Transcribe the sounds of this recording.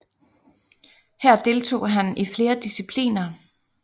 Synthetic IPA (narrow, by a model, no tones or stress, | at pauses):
hæɐ̰d̥e̝lt͡sʰo̝̰ːɦænifle̝ːɐd̥isipʰlḭːnɐ